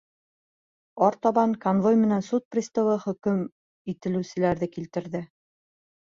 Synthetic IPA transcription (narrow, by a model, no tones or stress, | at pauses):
ɒɾt̪ɒβɑŋkonvojmɘ̆nænsut̪̚prʲist̪ŏwɤχɵ̆kɵm | it̪ɘ̆lɘ̆sɘ̆læɾðɘkilt̪ɘ̆ɾðɘ